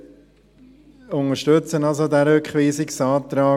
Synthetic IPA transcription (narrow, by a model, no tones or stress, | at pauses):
ʊnəʃtʏt͡sənɑlsodæɾøkχʋiːsɪksɑːt̪ɾɑː